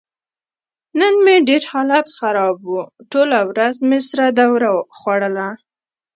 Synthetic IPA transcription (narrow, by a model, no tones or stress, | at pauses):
nənmeɖeɾhɑlat̪xaɾɑbuʈolawɾazmesɾad̪awɾaxwaɽəla